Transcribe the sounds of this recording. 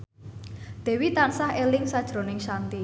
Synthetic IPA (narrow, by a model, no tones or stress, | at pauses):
d̪̥ɛ̤wit̪ansahelɪŋsad̥ʒ̥ɾo̤nɪŋʃant̪i